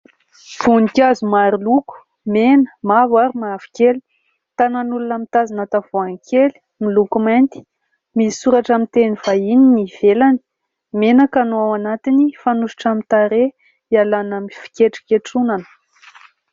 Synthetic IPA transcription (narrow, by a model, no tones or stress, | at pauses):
v̥unikʲazumaɾiluku̥ | menə̥mavaɾimaavi̥keli̥ | t̪ananulunamit̪azanat̪avoaŋkʰeli̥ | milukumant̪i̥ | misuɾaʈ͡ʂamint̪eniv̥aininiv̥elani̥ | menakanoawanat̪inifanuʃi̥ʈ͡ʂamit̪aɾe | ialanamifi̥kʲeʈ͡ʂi̥keʈ͡ʂunanə̥